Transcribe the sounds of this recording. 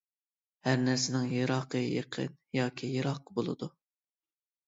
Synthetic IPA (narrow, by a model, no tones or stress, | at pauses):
hæɾnæɾsɪnɪŋjeɾɑːqʰəjḛqʰə̰njɑːkʲʰijeɾɑqːəbolˠɨ̰d̪u